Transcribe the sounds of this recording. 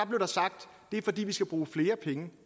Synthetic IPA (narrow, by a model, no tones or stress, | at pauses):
ɑb̥le̝ʊdɑsɑ̈ɡ̥̚d̥ːe̝æɐfɒ̽d̥ḭːʋisɡ̥æb̥ʁuːfle̝ːɐpʰeŋə